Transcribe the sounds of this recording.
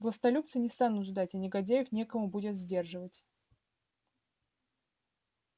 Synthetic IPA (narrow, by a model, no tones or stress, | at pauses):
vlˠəst̪ɐlʲup̚t̪sɨnʲɪst̪anʊt̪ʐd̪atʲɐnʲɪɡɐdʲæjɪfnʲe̞kəmʊbudʲɪt̪zʲdʲe̞rʐɨvətʲ